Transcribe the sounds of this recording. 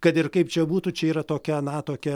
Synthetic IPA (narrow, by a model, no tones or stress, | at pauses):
kɐt̪ɪrkɐɪpt͡ʃʲɛbuːt̪ut͡ʃʲɛiːɾɐt̪oːkʲɛnɐt̪oːkʲɛ